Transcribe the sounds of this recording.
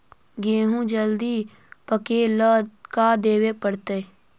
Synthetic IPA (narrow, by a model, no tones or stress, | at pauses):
ɡeːɦũd͡ʒəld̪i | pəkeːləkad̪eːwepəɽt̪eː